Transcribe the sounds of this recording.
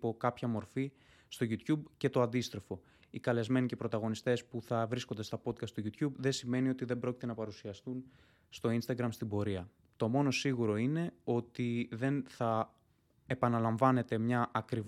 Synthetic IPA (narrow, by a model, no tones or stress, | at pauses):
po̞kɐpçɐmo̞ɾfi | st̪o̞ʝut̪çubce̞t̪oɐnd̪ist̪ɾo̞fo̞ | ikɐle̞zme̞nice̞pɾo̞t̪ɐɣo̞nist̪e̞spuθɐvɾisko̞nd̪e̞st̪ɐpo̞t̪kɐst̪oʝut̪çubðe̞sime̞nio̞t̪iðe̞bɾo̞cit̪e̞nɐpɐɾusiɐst̪un | st̪o̞inst̪ɐɡɾɐmst̪ibo̞ɾiɐ | t̪o̞mo̞no̞siɣuɾo̞ine̞o̞t̪iðe̞nθɐ | epɐnɐlɐɱvɐne̞t̪e̞mɲɐʔːkɾiv